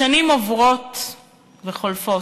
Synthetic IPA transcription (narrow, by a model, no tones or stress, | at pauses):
animovʁot | veχolfo